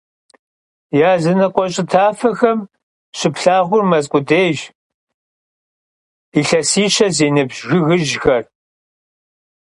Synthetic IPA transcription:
jaːzɨnɐqʷʼɔɕʼɪtʰaːfɐxɐm | ɕɪpɬaːʁʷʊrmɐzkʷʼʊdeːʒ | iɬɐsiːɕɐzeːnɨbʒɣɨɣɨʒxɐr

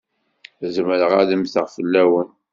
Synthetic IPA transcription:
zməɾəʁaðəmθəʁfəlːæwən

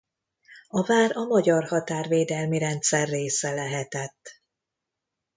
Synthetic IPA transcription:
ɒvaːɾɒmɒɟɒrhɒt̪aːrveːd̪ɛlmiɾɛnt̪sɛrːeːsɛlɛɦɛt̪ɛt̪ː

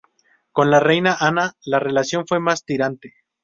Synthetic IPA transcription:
ko̞nlare̞jnaʔanalare̞lasjo̞nfwe̞mast̪iɾant̪e

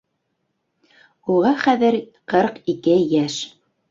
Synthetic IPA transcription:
uʁɑχæðɘɾ | qɤɾqikɘjæʃ

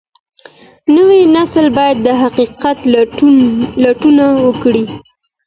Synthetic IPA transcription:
nəwenaslbɑjad̪ːəɦaqiqat̪ | laʈunawəkɽi

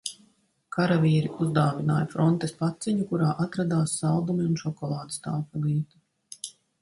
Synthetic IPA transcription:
kaɾaviːɾiuzd̪aːvinaːjɐfɾɔnt̪espat̪siɲukuɾaːʔat̪ɾad̪aːsːalˠd̪umiunʃɔkɔlˠɑːd̪ist̪aːpuliːt̪u̥

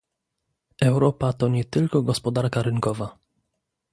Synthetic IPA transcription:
ʔɛwɾɔpat̪ɔɲɛt̪ɘlkɔɡɔspɔd̪aɾkaɾɘŋkɔva

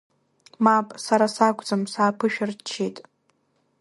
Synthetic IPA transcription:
mapʼsaɾasakʷʼd͡zamsaːpʰɨʃᶣɪrt͡ʃʰetʼ

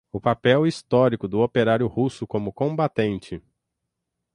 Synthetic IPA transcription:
ʊpapɛwist̪ɔɾikʊd̪ʊopeɾaɾjʊhusʊkõmʊkõbat̪ẽnt͡ʃɪ

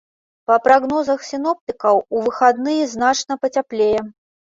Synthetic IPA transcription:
pɐpɾaɣnɔzɐxsʲɨnɔp̚t̪ɨkɐwuvɨxad̪nɨjɛznat͡ʂnɐpɐt͡sʲaplʲejɛ

